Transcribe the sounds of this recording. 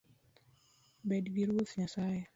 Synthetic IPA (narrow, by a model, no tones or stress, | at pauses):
bɛdɡiɾwotɲasajɛ